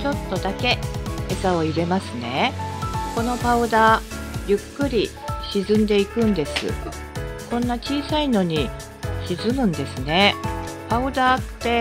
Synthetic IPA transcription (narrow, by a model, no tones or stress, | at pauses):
t͡ɕo̞t̪ːo̞d̪ake̞esao̞iɾe̞masɨne̞ | ko̞no̞paɯ̟d̪aːjɯ̟kːɯ̟ɾʲi | ɕizɨ̃nd̪e̞ikɯ̟̃nd̪e̞sɨ̰ | kõ̞nːat͡ɕiːsaino̞ɲ̟i | ɕizɨmɯ̟̃nd̪e̞sɨne̞paɯ̟d̪aːt̪ːe̞